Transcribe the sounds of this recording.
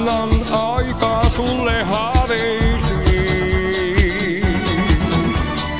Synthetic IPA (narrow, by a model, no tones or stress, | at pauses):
nːɑnɑikɑːsulːehɑɾeisi